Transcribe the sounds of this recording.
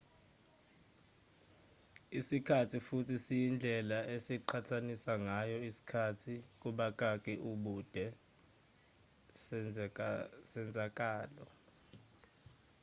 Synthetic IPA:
isikʰatʰifutʰisijind͡ɮʱɛlaesiǃʰatʰanisaŋajɔisi̥kʰatʰik̬ʼuɓak̬ʼak̬ʼɛʔuɓud̥ʱɛ | sɛnd͡zʱak̬ʼaːlɔ

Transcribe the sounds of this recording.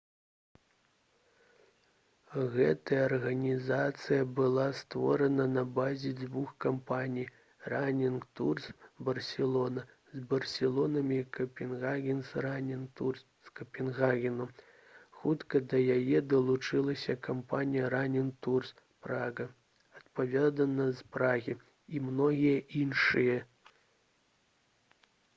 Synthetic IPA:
ɣɛt̪ɐjɐɐrɣɐnʲizat̪sɨjɐbɨlˠast̪vɔ̰ɾɐnɐnɐbazʲid͡z̪vuxkampanʲij | ranʲinkt̪ursbɐrsʲɛlˠɔnɐ | zbɐrsʲɛlˠɔnɐmʲikɐpʲɛnɣaɣʲinsranʲinur | skɐpʲɛnɣaɣʲinu | xut̪kɐd̪ɐjajɛd̪ɐlˠut͡ʂɨlˠɐsʲɐkampanʲijɐɾanʲink̚t̪urs | pɾaɣɐ | ɐt̪pavʲad̪ɐnːɐzpɾaɣʲi | imnɔɣʲijɐʔinʂɨjɛ

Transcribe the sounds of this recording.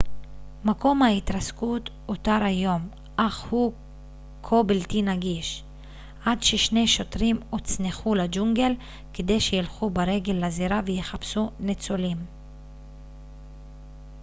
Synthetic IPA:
mako̞mhait̪ɾaskut | ot̪aɾajo̞m | ʔaχhu | kʰobilt̪inaɡiʃ | ʔadʃeʃne̞ʃo̞t̪ɾimot͡sneχulad͡ʒuŋɡe̞l | ked̪e̞jʃejilχubaɾe̞ɡe̞lːaziɾavejeχapsunet͡solim

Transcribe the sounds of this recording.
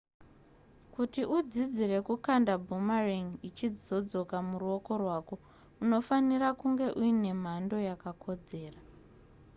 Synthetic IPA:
kutiʔud͡zid͡zire̞kukandabʱumariŋit͡ʃid͡zo̞d͡zo̞kamuruo̞ko̞rwaːko̞ | uno̞fanirakuŋɡe̞ʔuine̞m̤ando̞jakakʰo̞d͡ze̞ːra

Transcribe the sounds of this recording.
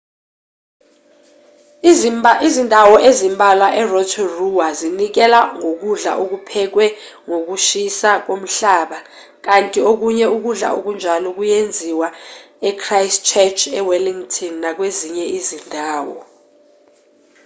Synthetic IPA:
izindʱawɔʔezimbʱalwaʔɛrɔtʰɔruwazinik̬ɛlaŋok̬uɮa̰ʔok̬upʰɛk̬wɛ | ŋok̬uʃisak̬om̩ɬaːɓa | k̬antʼiok̬uɲɛuk̬uɮa̰ʔok̬und͡ʒʱalɔk̬ujend͡zʱiwa | ɛkʰrajst͡ʃʰɛt͡ʃʰɛwaliŋtʼʰɔnːak̬weziɲɛizindʱaːwɔ̰

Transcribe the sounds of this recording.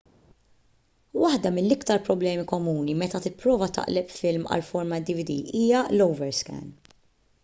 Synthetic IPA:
wɐħd̪ɐmɪnːɪkt̪ɐɾpɾɔblɛːmikɔmuːnimɛt̪ɐt̪ɪpːɾɔːvɐt̪ɐ̰ʔlɛpfɪlmɐ̰lfɔɾmɐd̪ɪvɪd̪ḭːʔiːjɐlɔwvɛɾskɛ̰n

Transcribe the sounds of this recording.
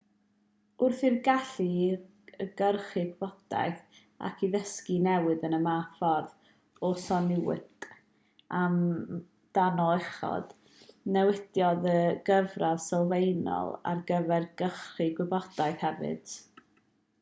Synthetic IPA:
ʊrθirɡaɬi | əɡ̥ərχiɡwɪb̥ɔd̥a̰jθ | a̰kʰiðəskinɛwɨðənəmafɔrð | ɔsɔnɪwɪ̰t | am | d̥anɔlˠɛχɔ̰d̥ | nɛwɪdjɔðəɡəvravsɔlˠvejnɔ̰lˠa̰rɡəvɛrɡəχriɡwɛbɔd̥ajθhɛvɨ̰d̥

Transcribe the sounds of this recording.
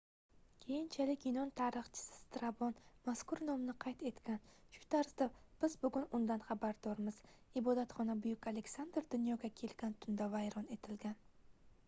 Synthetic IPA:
kʲʰe̞jɪnt͡ʃʰalɪkʲɪnɒnt̪ʰaɾɨχt͡ʃʰɪ̥sɪ̥st̪ɾabɒnmaskʊɾnɒmnɪqʰɑjt̪e̞t̪kʲan | ʃʊ̥t̪ʰaɾsd̪ab̥ɪzbʊɡʊnʊnd̪anχabaɾd̪̥ɒɾmɪz̥ | ɪbɒd̪at̪χɒnabʊjʊkʲale̞ksand̪ɾd̪ʊnjɒɡʲakʲʰe̞lɡʲant̪ʰʊnd̪avajɾɒne̞t̪ʰɪlɡʲan

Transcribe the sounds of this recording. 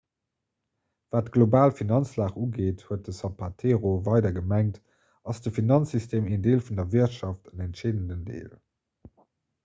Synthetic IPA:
v̥aːtɡ̥lobaːlfinɑnt͡slaːχuːɡeːthuət̚dəsɑpʰatʰeːʁovɑɪdɐɡəmæŋt | ɑsd̥əfinɑnsystʰeːmeːndeːlfundɐviɐtʃɑftənɛntʃeːdəndəndḛːl

